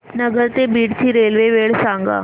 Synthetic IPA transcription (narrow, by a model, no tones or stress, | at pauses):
nəɡəɾt̪ebiːɽt̪ʰiːɾelʋeʋeɭsaŋɡa̰ː